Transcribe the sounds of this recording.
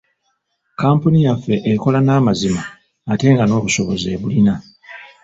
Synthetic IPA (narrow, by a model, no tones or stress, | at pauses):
kaːmpunijafːe̞ʔeko̞lanaːmazimaː | te̞ːŋɡano̞ːβuso̞βo̞ze̞ːβulina